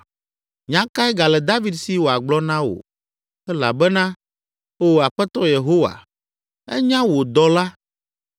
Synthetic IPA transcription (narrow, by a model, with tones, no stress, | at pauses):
ɲã˦ka˦ɛ˦ɡa˨lɛ˨d̪a˦vi˦d̪si˦wo˨a˨ɡ͡blɔ˦nã˦wo̰˨ | ɛ˦la̰˨bɛ˦nã˦ | o˨a˨ɸɛ˦t̪ɔ˦je˨ɦo˦wa̰˨ | ɛ̰˦ɲã˦wo˨d̪ɔ˨la˦